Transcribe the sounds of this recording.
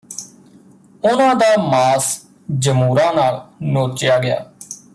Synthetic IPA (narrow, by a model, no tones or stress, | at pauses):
ʊnãːd̪aːmaːs | d͡ʒəmuːɾãːnaːɭnoːt͡ʃjaːɡɪja̰ː